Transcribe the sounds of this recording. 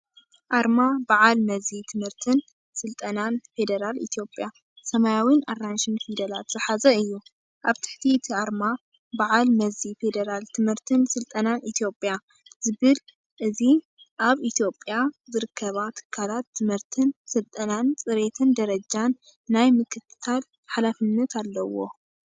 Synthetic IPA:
ʔaɾmabaʕalmɐzit̪ʰɨmhɨɾt̪ʰɨn | sɨlt̪ʼɐnanfe̞d̪ɐɾalḭt̪ʰjo̞pʼja | sɐmajawinʔaranʃɨnfid̪ɐlat̪z̥ɨħazɐɨjːu | ʔaβt̪ʰɨ̥ħt̪ʰit̪ʰiaɾma | baʕalmɐzife̞d̪ɐɾalt̪ʰɨmhɨɾt̪ʰɨnsɨlt̪ʼɐnanʔit̪ʰjo̞pʼja | zɨβɨl | ʔɨzi | ʔaβit̪ʰjo̞pʼjazɨɾɨkʰːɐβat̪ʰɨ̥kʰːalat̪ʰːɨmhɨɾt̪ʰɨnsɨlt̪ʼɐnant͡sʼɨɾe̞t̪ʰɨnd̪ɐɾɐd͡ʒanː | ajmɨkʰɨt̪ɨ̥t̪ʰal | ħalafɨnːɐt̪ʰalːɐwo̞̰

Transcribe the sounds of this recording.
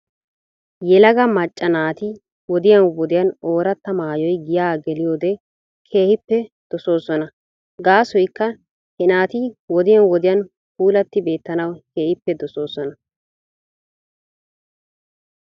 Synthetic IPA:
jɛlɐɡɐmɐt͡ʃʼːɐnaːt̪ɪ | wɔd̪ɪjɐnwɔd̪ɪjɐnoːɾɐt̪ːɐmaːjɔjɡɪjaːɡɛlɪjo̞ːd̪ɛ | kʰe̞ːhɪpːɛd̪̥ɔso̞ːsɔnɐ | ɡaːsɔjkːɐ | hɛnaːt̪ɪwɔd̪ɪjɐnwɔd̪ɪjɐn | puːlɐt̪ːɪbe̞ːt̪ːɐnɐwkeːhɪpːɛd̪ɔso̞ːsɔnɐ

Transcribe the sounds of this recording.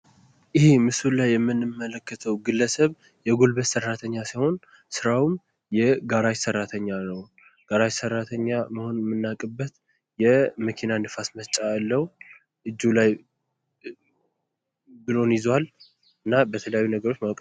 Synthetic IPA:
ʔɪhemɨsulajːɛmːɨnːɨmːələkʰːət̪ʰəwɡɨlːəsəβ | jɛɡo̞lbət̪sərːat̪ʰəɲːasajho̞n | sɨɾawum | jɛɡaɾat͡ʃsərːat̪ʰəɲːanəw | ɡ̥aɾat͡ʃsərːat̪ʰəɲːaməho̞nmːɨnːakʼɨbːət̪ | jɛməkʰinanɨfasmət͡ʃʼalːəw | ʔɨd͡ʒːulaj | bɨlo̞njɪzwal | ɨnːabət̪ʰələjajːunəɡəɾo̞t͡ʃːmawkʼ

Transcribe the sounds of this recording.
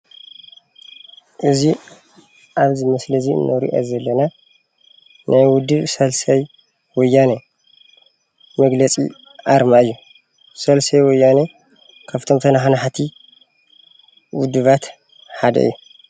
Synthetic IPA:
ʔɨzi | ʔaβzɨmɐslɐziɨ̰nːɐɾḭʔɐ̰zɐlːɐna | najwʊd̪ɨβsɐlsɐj | wɔjːanɐ | mɐɡlɐt͡sʼḭ | ʔaɾmaɨjːu | sɐlsɐjwɔjːanɐ | kʰaft̪ʰo̞mt̪ʰɐnaħanaħt̪ʰi | wʊd̪ɨβat̪ | ħad̪ɐ̰ʔɨ̰jːu

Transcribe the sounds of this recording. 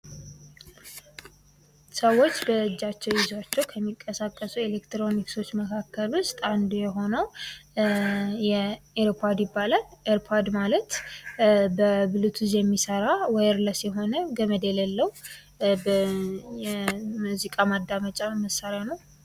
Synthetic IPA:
səwːo̞t͡ʃːbəd͡ʒːat͡ʃːɛwjɪzwat͡ʃːɛwkʰəmːikʼːəsakʼːəsuelekt̪ɾo̞nikso̞t͡ʃːməkʰakʰːəlwʊst̪ʼand̪ujɛɦo̞nəw | jɛeɾpʰoɾd̪jɪbːalaleɾpʰoɾd̪malət̪ | bəbɨlut̪ʰuzjɛmːisəɾawɔjɾləsjɛɦo̞nəɡəməd̪elelːəwu | bəjɛmuzikʼamad̪ːamət͡ʃʼaməsːaɾjanəw

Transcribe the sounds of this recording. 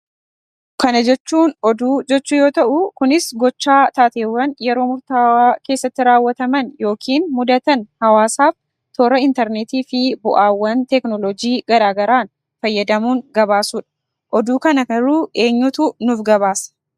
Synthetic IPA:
kɐnɐd͡ʒɛt͡ʃːuːnɔd̪uːd͡ʒɛt͡ʃːuːjo̞ːt̪ɐʔʊkʊnɪsɡɔt͡ʃːaːt̪aːt̪e̞ːwːɐnjɛɾo̞ːmʊɾt̪aːwaːke̞ːsːɐt̪ːɪɾaːwːɐt̪ɐmɐnjo̞ːkʰiːnmʊd̪ɐt̪ɐnhɐwaːsaːf | t̪oːɾɐɪnt̪ɛɾnet̪iːfɪbʊʔaːwːɐnt̪ɛknɔlɔd͡ʒiːɡɐɾaːɡɐɾaːn | fɐjːɐd̪ɐmuːŋɡɐbaːsuːᶑɐ̥ | ʔɔd̪uːkɐnɐkɐruːe̞ːɲːut̪unʊfɡɐbaːsɐ̥

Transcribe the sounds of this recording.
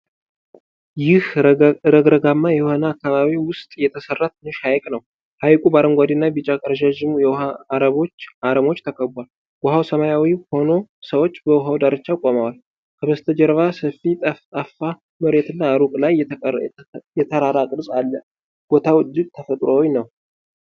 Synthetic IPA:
jɪhɾəɡɾəɡamːajɛwhonaːkːaβaβiwʊst̪ʼjɛt̪ʰəsərːat̪ʰɨnːʊʃhajkʼnəw | hajkʼubaɾəŋɡʷad̪inːabɨt͡ʃʼakʼəɾəʒaʒɪmujɛaːɾəβo̞t͡ʃːaɾəmo̞t͡ʃːt̪ʰəkʰəbwal | ɡ̥ɔɦawsəmajawiho̞no̞səwot͡ʃːbəwɦawd̪aɾɨt͡ʃːakʼomawal | kʰəbəst̪ʰəd͡ʒɛɾβasəfit̪ʼət̪ʼafːa | məɾe̞t̪ɨnːaːɾukʼlaj | jɛt̪ʰəɾaɾakʼɾsʼalːə | ɡ̥o̞t̪ʰawd̪ɨɡt̪ʰəfət̪ʼɾowinəw

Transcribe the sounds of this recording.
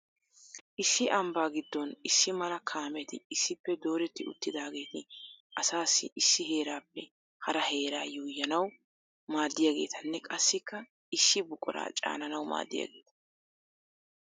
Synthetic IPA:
ʔɪsːɪʔɐmbaːɡɪd̪ːɔnɪsːɪmɐlɐkʰaːmɛt̪ɪɪsːɪpːɛd̪o̞ːɾɛt̪ːɪʊ̰t̪ːɪd̪aːɡe̞ːt̪ɪʔɐsaːsːɪʔɪsːɪɦe̞ːɾaːpːɛ | hɐɾɐhe̞ːɾaːjuːjːɐnɐw | maːd̪ːɪjaːɡe̞̰ːt̪ʰɐnːɛkʼɐsːɪkːɐ | ɪsːɪbʊkʼʊ̰ɾa̰ːt͡ʃʼa̰ːnɐnɐwma̰ːd̪ːɪ̰ja̰ːɡe̞ːt̪ɐ̥

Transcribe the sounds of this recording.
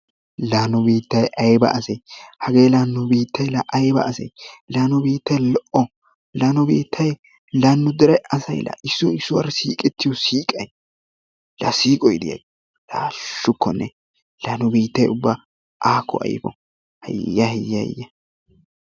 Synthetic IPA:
laːnɔbiːt̪ːɐjʔɐjbɐ̰ɐsɛjhɐɡe̞ːlaːnːɔbiːt̪ːɐjlɐʔɐjbɐ̰ːsɐ̰jlaːnɔbiːt̪ːɐjlɔʔɔ | laːnɔbiːt̪ʰːɐj | lanːʊd̪ɛɾɛʔɐsɐjlɐ̰ʔɪsːʊɪsːʊwɐ̰ɾsiːkʼɛt̪ːɪjɔsiːkʼɐj | lɐsiːkʼɔjɪd̪ɪ̰jɐ̰j | laːʃːʊkːɔnːɛ | laːnːɔbiːt̪ːɐjʊbːa | ʔaːkːɔ̰ʔɐ̰jfɔ̰ | hɐ̰jːɐhɪjːɐɪ̰jːɐ

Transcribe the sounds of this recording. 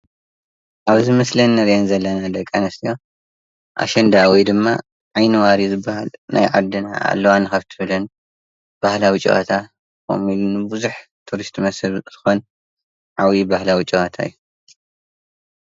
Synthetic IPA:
ʔaβzɨmɐslɐnːɐɾanzɐlːɐnad̪ɐkʼːanɐst̪ijo | ʔa̰ʃɐnd̪awijd̪ɨmːa̰ | ʕajnɨwaɾizɨbːahalnʔa̰jʕa̰d̪ːɨna̰a̰lːɐwanɨxɐβt̪ʰɨβɨlɐn | b̥ahlawit͡ʃʼːḭʔa̰t̪ʰa | ko̰milunɨbɨzuħ | t̪ʰuɾist̪ʰmɐsɨβz̥ɨxo̞n | ʕawibahlawit͡ʃʼːiat̪ʰa̰ijːu

